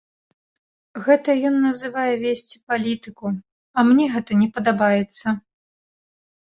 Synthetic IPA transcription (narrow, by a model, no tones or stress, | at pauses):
ɣɛt̪ɐjɔnːɐzɨvajɛvʲesʲt͡sʲipalʲit̪ɨku | ɐmnʲɛɣɛt̪ɐnʲɛpɐd̪abajɛt̪sːɐ